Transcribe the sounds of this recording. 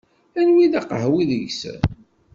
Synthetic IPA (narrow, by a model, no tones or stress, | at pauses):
ænwiðæqəhwiðəʝsə̰n